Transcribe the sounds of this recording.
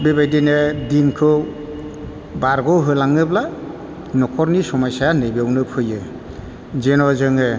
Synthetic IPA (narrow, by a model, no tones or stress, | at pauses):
bebajdinedinkʰɯ | baɾɡɔwɦɯjlaŋɯbla | nɔkʰɔɾnisɔmɔjsanɯjbewnɯpʰɯjɯ | zenɔzɯŋɯ